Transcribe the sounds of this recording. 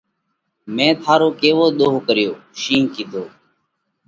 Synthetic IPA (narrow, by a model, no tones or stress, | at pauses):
mẽːt̪ʰaːɾoːkeːʋoːɗ̪oːɦkəɾɪjoːʃiːŋkiːt̪oː